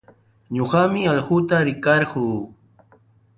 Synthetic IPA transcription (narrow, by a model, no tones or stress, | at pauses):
ɲoɢɑmɪaʎɢʊt̪aɾɪkɑɾɢuː